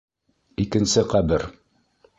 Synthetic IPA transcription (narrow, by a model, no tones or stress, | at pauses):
ikɘ̆nsɘqæbɘɾ